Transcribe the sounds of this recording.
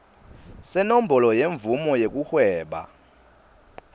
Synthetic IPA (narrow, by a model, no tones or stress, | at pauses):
sɛnombʱɔlɔjeɱvumɔjek̬uxwɛːɓa̰